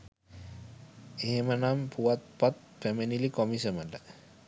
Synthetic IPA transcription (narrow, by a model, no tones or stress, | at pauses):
iɦemanampʰuat̪̚pat̪̚pemenilikɔmisəmada